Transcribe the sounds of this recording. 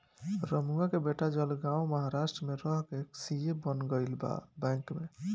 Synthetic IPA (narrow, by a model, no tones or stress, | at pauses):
ɾəmuakebeʈad͡ʒəlɡãwməɦaɾasʈɾəmeɾɔɦkeksijebənɡəjlba̰bɛ̃kme